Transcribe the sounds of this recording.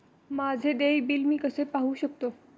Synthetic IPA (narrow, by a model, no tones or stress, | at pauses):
mad͡zʱed̪eʋbiːlmiːkəsepaɦuːɕək̚t̪o